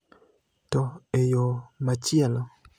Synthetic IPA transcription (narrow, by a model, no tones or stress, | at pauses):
tɔejomat͡ʃjɛlo